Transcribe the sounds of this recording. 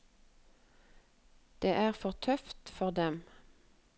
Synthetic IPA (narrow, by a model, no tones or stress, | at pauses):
d̪̥eːʔæːʁfɔʁt̪ʰœft̪fɔʁd̪ɛm